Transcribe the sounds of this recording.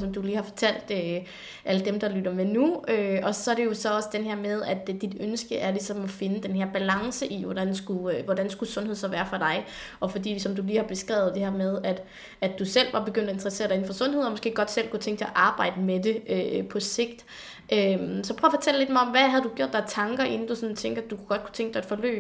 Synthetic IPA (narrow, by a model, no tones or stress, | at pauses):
sɒ̽md̥uliːhɑ̈fɒt͡sʰæl̰d̥ø | ʔæləd̥emd̥ɑ̈lyd̥ɐmenuøɒ̽sɒ̽æɐɾ̥e̝jo̝sɒ̽ɒ̽sə̥d̥enɦɛɐmeð̞ˠæd̥ːid̥ønsɡ̥əʔæɐlisɒ̽mɒfe̝nəd̥enɦeɐ̰b̥ælɑ̈ŋsəʔiʋɒd̥ænsɡ̥uʋɒd̥ænsɡ̥usɔ̽nhḛsɒ̽ʋæːɐfɒd̥ɑ̈ɪ | ʔɒ̽fɒ̽d̥ḭːsɒ̽md̥uliːhɑ̈b̥e̝sɡ̥ʁɛ̰ʊð̩ˠd̥e̝hɛɐ̰með̞ˠæd̥ | ædd̥usel̰ʋɑ̈b̥e̝ɡ̥øn̰d̥ɒend̥ʁɐse̝ːɐɾɑe̝n̩fɒ̽sɔ̽nɦe̝ð̞̰ˠɒ̽mɔ̽sɡ̥e̝̰ːɡ̥ɒ̽d̥sel̰kʰu̥t͡sʰeŋɡ̥ʰeæʔɑ̈ːb̥ɑ̈ɪ̰d̥əmed̥e̝øpʰɒ̽se̝ɡ̥̚d̥ | ʔømsɒpʰʁœːfɒ̽t͡sʰel̰ed̥̚mɑ̈ɒ̽mʋæɦæð̞̩ˠd̥uɡ̥jo̝ɐ̰d̥ɑɐt͡sʰɑ̈ŋɡ̥ɐʔe̝nn̩d̥usɒ̽nt͡sʰeŋ̰ɡ̥ɐæd̥ukʰuɡ̥ɒ̽d̥̚kʰu̥t͡sʰeŋɡ̥̚d̥ɑed̥fɒlø̰ː